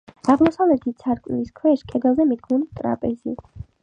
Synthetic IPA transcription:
aʁmɔsavlɛt̪ʰit̪̚sʰaɾkʼmiskʰwɛʃkʼɛd̪ɛlˠzɛmid̪̚ɡunit̪ʼɾa̰pʼɛzḭ

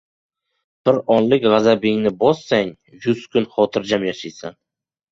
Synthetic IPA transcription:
b̥ɪɾɒnlɪkʲʁazabɪŋnɪbɒsːaŋ | jʊskʰʊnχɒt̪ʰɪɾd͡ʒamjaʃajsan

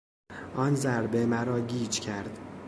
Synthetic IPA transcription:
ʔɒnzæɾbe̞mæɾɒːɟiːd͡ʒcʰæɾd̪

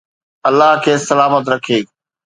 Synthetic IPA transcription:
ɐlːaɦkʰeːsɐlaːmət̪ɾɐkʰeː

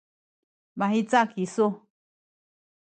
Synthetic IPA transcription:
βãɦĩt͡sakisu

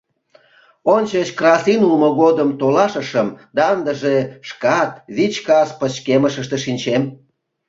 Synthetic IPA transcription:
onʲt͡ɕət͡ɕkrɑsinulmoɣod̪əmt̪olɑʃəʃəmd̪ɑənd̪əʒeʃkɑt̪βit͡ɕkɑspət͡ɕkeməʃəʃt̪eʃinʲt͡ɕem

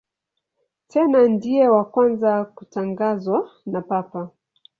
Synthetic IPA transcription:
tʰɛnandijɛwakwanzakutaŋɡazwanapapa

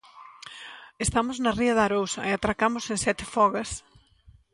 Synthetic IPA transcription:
est̪amʊznɐriɐðaɾowsɐeat̪ɾakamʊsẽŋsɛt̪ɪfɔɣɐs

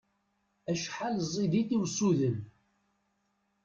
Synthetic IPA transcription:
æʃħalzˤːid̪iθiwsuðən

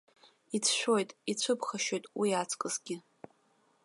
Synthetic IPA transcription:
it͡sʰʃᶣʷojtʼit͡ɕʷʰɨbʰχaʃo̞jtʼwiat͡sʰkʼɨzɡʲɪ

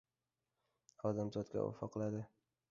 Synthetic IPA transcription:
ɒd̪amzɒt̪kʲa̰ɒ̰fɒqʰːlad̪ɪ

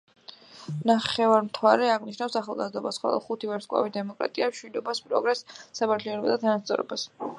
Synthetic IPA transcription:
naχɛvaɾmt̪ʰwaɾɛaʁniʃnafsaχalˠɡa̰zd̪ɔbasχwɔ̰lˠɔ̰χut̪ʰivɛɾt̪skʼwa̰vid̪ɛmɔkʼɾa̰t̪ʼiamʃwid̪ɔbaspʼɾɔɡɾɛsːapaɾt̪ʰliɔnɔbad̪at̪ʰanast̪sʼɔ̰ɾɔ̰bas

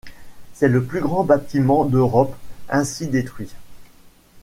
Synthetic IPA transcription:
sɛləplyɡʁɑ̃bat̪imɑ̃d̪øʁɔpɛ̃sid̪et̪χɥi

